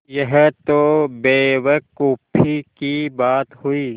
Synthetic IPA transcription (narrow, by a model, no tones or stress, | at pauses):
jɐɦt̪obeːʋəkuːpʰːikibaːt̪huiː